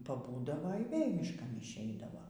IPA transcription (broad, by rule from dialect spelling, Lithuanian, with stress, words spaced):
pɐˈbuːdɐʋoː iː ˈʋʲeːlʲ mʲɪʃˈkɐn ɪʃʲˈɛɪdɐʋoː